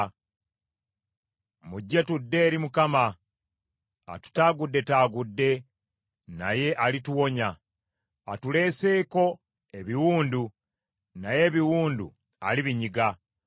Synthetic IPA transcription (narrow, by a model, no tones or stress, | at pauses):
muɟːe̞tudːe̞ːɾimukama | a̰tu̥taːɡudːe̞taːɡudːe̞ | naje̞ʔalituwo̞ɲaː | tule̞ːse̞ːko̞ | e̞βiwuːndu | naje̞ːβiwuːndṵ | a̰liβiɲiɡa